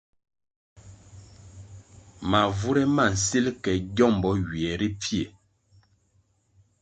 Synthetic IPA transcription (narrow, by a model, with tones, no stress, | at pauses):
ma˨vu˦ɾɛ˦ma˦˨n̩˨si˦lkɛ˨ɟɔ˦˨m˨bɔ˨˦ɥi˨ɛ˨ɾi˦pi˦e˨